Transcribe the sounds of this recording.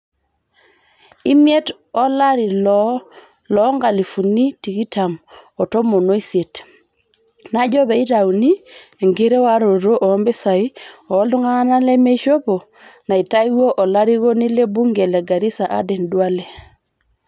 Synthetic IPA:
i˦mjɛ˦t | ɔ˦la˦ɾi˨lɔ | lɔ˨˦ŋɡa˨li˨fu˨ni˦ti˨ki˦ta˨mɔ˨tɔ˦mo˨no˦i˦se˨t | na˦d͡ʒɔ˦bɛ˨i˦ta˨wu˨ni˦e˨ŋɡe˦ɾe˦wa˦ɾo˨ɾo˦ʔɔː˨˦mbe˦sa˨i˦ɔː˨˦ldu˦ŋa˦a˦na˦lɛ˦me˦ʃo˦po˨ | na˨i˨ta˦i˦wo˦ʔɔ˨la˦ɾi˦ɣo˦ni˦le˦bu˦ŋɡɛ˨lɛ˨ɡa˨ɾi˦sa˨ʔa̰˦dɛ˨ndwa˦lɛ˨

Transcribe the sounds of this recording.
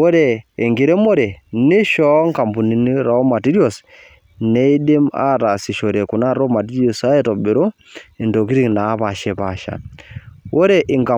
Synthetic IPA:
wo˦ɾeː˨ŋɡi˨ɾe˦mo˦ɾe˨ne˦ʃɔ˦ŋka˨mbu˨ni˨ni˦ɾɔ˦ma˨ti˦ɾi˦ɔ˨s | ne˦i˦de˦ma̰˦ɾa˨si˨ʃo˨ɾe˨ku˨na˦ɾo˦ma˨ti˦ɾi˦o˨sa˦e˦tɔ˨be˨ɾo˦ | i˨ndo˨ki˦ɾi˦ŋna˨˦βa˨ʃe˦pa˨ʃa̰˨wo˦ɾe˦ʔɪ˨ŋɡa˨

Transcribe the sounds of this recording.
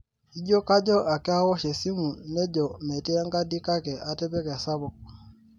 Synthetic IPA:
i˦ɟɔ˦ka˦d͡ʒɔ˦ʔa˨kɛ˦a˦wɔ˦ʃɛ˨si˦mu˨nɛ˦d͡ʒɔ˨mɛ˨tɛ˦a˦ŋɡa˦di˦ka˦kɛ˨ʔa˨tɛ˦pɛ˦kɛ˨a˨sa˦bɔ˨k̚

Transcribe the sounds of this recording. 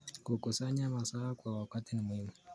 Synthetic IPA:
ku˨ku˨sa˦ɲa˦ma˨saː˦kwa˨wa˨ka˦ti˦n˨mʊ˨hi˦mu˨

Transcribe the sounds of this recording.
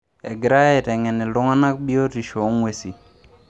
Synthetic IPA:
ɛ̰˨ɡɾa˦ɛ˦˨tɛ˨ŋɛ˨nɛ˨lʊ˦ŋa˦na˦k̚bi˦o˦ti˨ʃo˨˦ŋwe˨si˨

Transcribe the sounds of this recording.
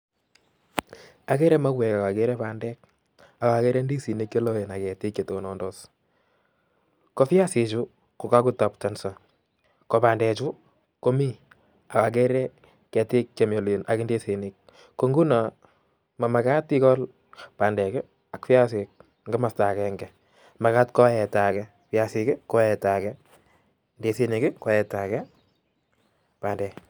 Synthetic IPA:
a˨kɛ˦ɾɛ˦ma˦kwɛ˨ka˨ka˨kɛ˦ɾɛ˦pa˨ndɛ˦k̚ | a˨ka˨kɛ˦ɾɛ˦ndi˦si˨nɪ˦kje˦lo˦e˨na˨kɛ˨tɪ˦kje˨to˨nɔ˦ndɔ˦s | ko˦fja˦sɪ˨t͡ʃu˦ | kʊ˨ka˦ku˦ta˨p̚ta˨nsa˨ | kɔ˨paː˨ndɛ˨t͡ʃu˦ | ko˦mi˦ | a˨ka˨k̬ɛ˦ɾɛ˦ | kɛ˨tɪ˦k̚t͡ʃe˨mjo˨li˨na˨kɪ˦nde˦se˨nɪk̚ | ko˦ŋɡu˦na˨ | ma˨ma˨ka˦tɪ˦kɔ˦l | pa˨ndɛ˨kɛ˦ | a˨kfi˦a˦s̬ɪ˨k̚ | ŋɡɛ˦ma˨sta˨kɛŋɡɛ | ma˨ka˦tkɔ˦ɛ˨ta˨kɛ | fja˨sɪkɪ˦kɔ˦ɛ˨ta˨kɛ | nde˨si˨nɪ˨kɪ˦kɔ˦jɛ˨ta˨kɛ˦ | pa˨ndɛ˨

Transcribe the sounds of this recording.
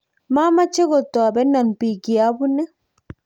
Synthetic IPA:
ma˦ma˦t͡ʃːe˦ɡo˨t̪ːo˨a˨be˦nːa˨npi˨ɡi˨a˦bu˦nɛ˦

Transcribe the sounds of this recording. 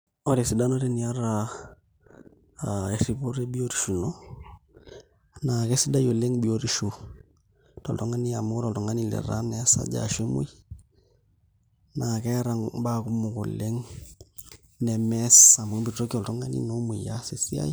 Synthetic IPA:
ɔ˨ɾe˨si˨da˦no˦ɾe˦ni˨a˦ɾa | e˨ɾi˨po˦ɾe˦bi˦o˦ɾi˨ʃu˨no˦ | naː˨kɛ˦si˦da˦jo˨le˦ŋbi˨o˨ɾi˨ʃu | tɔ˨ltɔ˦ŋa˦ni˦a˨mʊ˦tɔ˨ltɔ˨ŋa˦ni˦lɛ̰˨ɾa̰˦nɛ˦sa̰˦d͡ʒa̰ʃe˦mṵ˦j | na˨kɛ˦ɾa˨ŋba˦ku˦mʊ˨ko̰˨le˦ŋ | nɛ˨mɛsa˨mo˨˦bi˨tto˦ki˦ɔ˨ltɔ˦ŋa˦nḭ˦no˦mu˨ja˦se˨si˦a̰˦j

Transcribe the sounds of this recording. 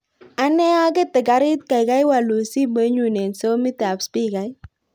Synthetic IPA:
a˦nɛ˦a˦kɛ˦tɪ˨ɡa˨ɾɪ˦t̪̚ka˨jka˦jwa˨lu˨si˦be˦ɲu˨ne˨nso˦mɪ˦ta˨pspi˦ka˨˦j

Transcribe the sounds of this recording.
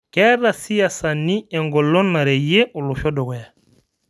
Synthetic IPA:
kɛɾa˨si˦ja˨sa˨nːi˦ɛ˨ŋɡɔ˨lɔ˦nːa˨ɾɛ˨je˦ʔɔ˨lu˨ʃɔ˦dɔ˨ɡɔ˨ja˨

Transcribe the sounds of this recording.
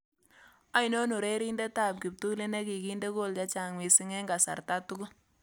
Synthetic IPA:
a˦jno˦nu˨ɾe˦ɾi˦nde˦ta˦˨p̚ki˨p̚tu˦le˦ne˦ki˨ki˦nde˦ko˦lt͡ʃa˦t͡ʃa˨ŋwi˨sɪ˦ŋɛ˦ŋɡa˨sa̰˨ɾta˦tu˦ɡʊ˦

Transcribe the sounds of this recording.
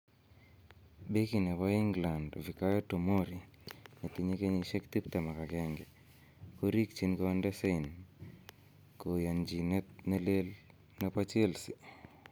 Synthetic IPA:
be˦ki˨nɛ˨pa˦i˦ŋɡla˨ndvi˨ka˦jo˦to˨mo˦ɾi˨ | ne˨t̪i˨ɲe˦ke˦ɲeʃe˦kt̪i˦pt̪a˨ma˨ka˨kɛŋɡɛ˨ | ko˦ɾi˦kt͡ʃi˦nko˦a˦ndɛ˦se˦i˨n | ko˨ja˨nd͡ʒi˨netne˦le˦l | na˦pa˦t͡ʃe˦lsi˨

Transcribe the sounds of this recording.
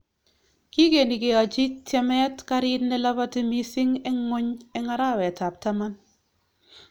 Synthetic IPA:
ki˦ke˨ni˨ke˨a˨d͡ʒi˦tɛ˦mɛ˦tka˦ɾɪ˦tnɛ˦la˦ba˦ti˦mi˦sɪ˦ŋɛ˦ŋo˦ɲɛ˦ŋa˦ɾa˦˨wɛ˨ta˨p̚ta˦ma˦n

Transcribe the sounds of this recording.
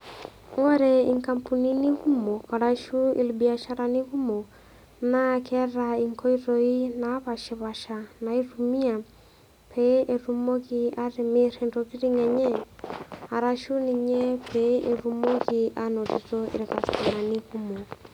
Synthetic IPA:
ɔ˦ɾɛ˨i˨ŋka˨mpuni˦ni˦ɣu˦mɔ˨ka˨ɾa˦ʃu˦ḭ˨lbi˨a˨ʃa˦ɾa˨ni˦ɣu˦mɔ˨ | na˦kɛ˦ɾaiŋkʰɔ˦iɾɔi˦na˨˦βa˨ʃɛ˨βa˨ʃa˨na˨irumi˦a˨ | pʰɛ˦ʔe˨ɾu˦mɔ˦ɣia˦ɾɛ˨mi˦ɾɛndɔβi˦ɾi˦ŋɛ˨ɲɛ˦ | a˨ɾaʃu˦ni˨ɲɛ˦pʰɛ˦ʔe˨ɾu˦mɔ˦ɣi˨a˦nɔ˨ti˨tɔḭ˨ɾɛka˨sa˨na˨ni˦ɣu˦mɔ˨

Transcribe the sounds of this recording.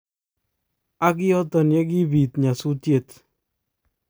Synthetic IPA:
a˦k̬i˦ɔ˦tɔ˨nje˦k̬i˦bi˨t̪ɲa˨su˦tje˦˨t̪

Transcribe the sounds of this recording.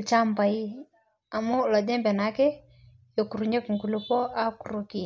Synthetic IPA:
t͡ʃa˦mba˨i˦ | a˨mu˦lɔ˨dɛ˦mbɛ˨na˨˦kɛ˦ | jo˨ku˨ɾu˨ɲe˦ku˨ŋɡu˨lu˦pɔ˦a˦ku˨ɾu˦ki˨

